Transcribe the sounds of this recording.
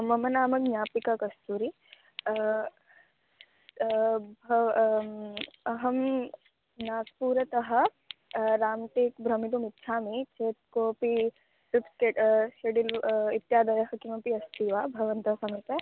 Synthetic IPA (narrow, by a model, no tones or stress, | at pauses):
mɐmɐnaːmɐknjaːpikɐkɐst̪uːɾi | bʱɐ | ɐɦɐm | naːspuːɾɐt̪ɐɦɐ̆ | ɾaːmʈ̪ekbʱɾɐmit̪umit̪ːʃʰaːmit͡ʃeːt̪̚koːpi | ɾipskeʈʃeɖilit̪jaːd̪ɐjɐɦɐkimɐpiɐst̪iʋaːbʱɐʋɐnt̪ɐɐsɐmit̪ɐ